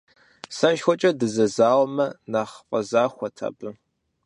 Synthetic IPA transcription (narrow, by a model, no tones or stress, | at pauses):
sɐʃxʷɔt͡ʃʼɐdɨzɐzaːwmɐnaːχqʼɐzaːxʷɐtʰa̰ːbɨ